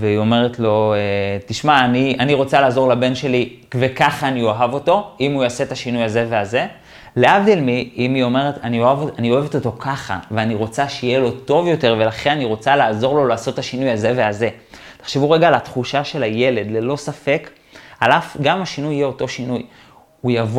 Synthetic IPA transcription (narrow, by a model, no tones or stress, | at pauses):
veio̞me̞ʁetlo̞etiʃmaːnianiʁo̞t͡salaːzo̞ʁlabe̞nʃe̞li | kvekaχaːnioɦavo̞to̞imujasetaʃinujaze̞ve̞aze̞ | leavd̪elmiimio̞me̞ʁetanioavoanio̞eveto̞to̞kaχa̰veaniʁo̞t͡saʃeijelo̞to̞vjo̞te̞ʁve̞laχenaniʁo̞t͡salaːzo̞ʁlo̞laːso̞t̪ːaʃinujaze̞veaze̞ | te̥χʃevuʁeɡalatχuʃaʃe̞laje̞le̞dle̞lo̞safe̞k | alafɡamaʃinujijeo̞to̞ʃinuj | ujavo